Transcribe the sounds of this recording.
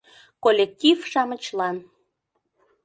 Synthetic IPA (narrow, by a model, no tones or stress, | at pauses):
kolʲek̚t̪ʲivʃɑmət͡ɕlɑn